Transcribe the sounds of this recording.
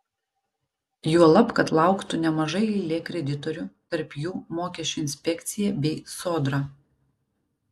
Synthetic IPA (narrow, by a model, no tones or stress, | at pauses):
juɔlˠɐpkɐt̪lˠɑˑʊkt̪ʊnʲɛmɐʒɐɪɪɪlʲeːkɾʲɛd̪ʲɪt̪ɔɾʲʊt̪ɐɾpjuːmoːkʲɛsʲt͡ʃʲʊɪnʲsʲpʲɛkʲt̪sʲɪjɛbʲɛɪsoːd̪ɾɑ